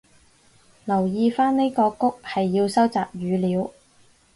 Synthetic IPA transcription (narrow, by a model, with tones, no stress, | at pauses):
lɐ˨˩wjiː˧faː˥nne˥jkɔː˧kʊ˥k̚hɐ˨jːiː˧wsɐ˥wt͡saː˨p̚jyː˨˧liː˨˧w